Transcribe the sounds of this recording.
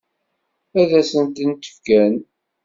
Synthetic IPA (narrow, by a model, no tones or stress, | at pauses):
æðæsənt̪ənt̪ə̥fkːæn